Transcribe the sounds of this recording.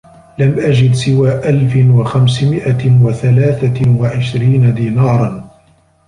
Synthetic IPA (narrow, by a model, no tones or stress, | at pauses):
lamʔad͡ʒɪd̪sɪwaːʔalfɪwaxamsmɪʔawaθalaːθawaʕɪʃɾiːnad̪iːnɑːɾˤɑn